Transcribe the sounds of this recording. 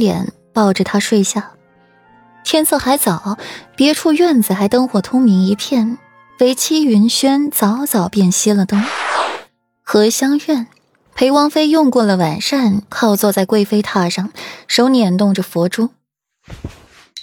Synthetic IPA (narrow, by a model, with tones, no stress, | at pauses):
ljɛ̰˧˥n | pɑ˥˩ʊʈ͡ʂə˨˩t̪ʰa˥ʂwe˥˧ɪɕja˥˩ | t̪ʰjɛ˥˧nt͡sʰɤ˥˧xa˧˥ɪt͡sɑ˨˩˦ʊpjɛ˧˥ʈ͡ʂʰu˥˧ɥɛ˥˩nd͡zɹ̩˩xa˧˥ɪt̪ɤ˥ŋxwɔ˨˩t̪ʰʊ˥ŋmi˧˥ŋi˧˥pʰjɛ˥˩n | fe˧˥ɪt͡ɕʰi˥y˧˥nɕɥɛ˥nt͡sɑ˧˥ʊt͡sɑ˨˩ʊpjɛ˥˩nɕi˥lə˨t̪ɤ˥ŋ | xɤ˧˥ɕjɑ˥ŋɥɛ˥˩n | pʰe˧˥ɪwɑ˥ŋfe˥ɪjʊ˥˧ŋkwɔ˥˩lə˩wa˨˩nʂa˥˧nkʰɑ˥˧ʊt͡swɔ˥˧t͡sa˥˧ɪkwe˥˧ɪfe˥ɪt̪ʰa˥˩ʂɑ˥˩ŋʂo˧˥ʊnjɛ˨˩nt̪ʊ˥˩ŋʈ͡ʂə˩fwɔ˧˥ʈ͡ʂu˥